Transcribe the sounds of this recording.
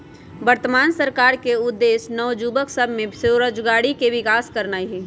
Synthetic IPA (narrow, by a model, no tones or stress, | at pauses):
ʋəɾt̪əmaːnsəɾkaːɾkeʊd̪ːeːsnɔʊd͡ʒubəksəbʱmẽseɾəd͡ʒɡaːɽikeʋɪkaːskəɾnaːiɦiː